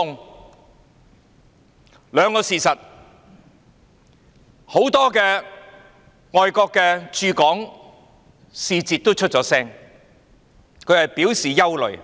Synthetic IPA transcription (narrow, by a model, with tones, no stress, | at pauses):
ʊ˨ŋ | lœː˨˧ŋkɔː˧siː˨sɐ˨t̚ | ho˨˥wt̪ɔː˥kɛː˧ | ŋɔː˨jkɔː˧kːɛː˧t͡ʃyː˧kɔː˨˥ŋ | siː˧t͡siː˨˧t̚t̪o˥t͡ʃʰɵ˥t̚t͡ʃɔː˨˥sɛː˥ŋ | kʰɵ˨˧ɥhɐ˨jpi˨˥wsiː˨˩jɐ˥wlɵ̰˨˩ɥ